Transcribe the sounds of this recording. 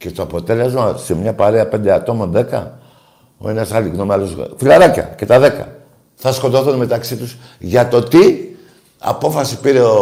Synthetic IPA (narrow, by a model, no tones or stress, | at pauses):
ce̞t̪oɐpo̞t̪e̞lezmose̞mɲɐpaɾeɐpe̞nd̪eɐt̪o̞mo̞nðe̞kɐ̰ | o̞̰e̞nɐsɐliɣnomalosfilɐɾɐcɐ̰ce̞t̪ɐðe̞kɐ̰ | θɐsko̞t̪oθunme̞t̪ɐksit̪us | ʝɐt̪o̞t̪i | ɐ̰po̞fɐsipiɾe̞o